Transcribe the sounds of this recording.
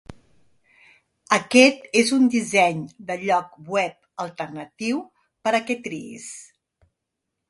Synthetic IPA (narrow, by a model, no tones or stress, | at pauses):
əkɛt̪ezund̪izɛɲd̪əʎɔk̚bwɛp̚ | əlˠt̪ərnət̪iw | pəɾəkɛt̪ɾiḭs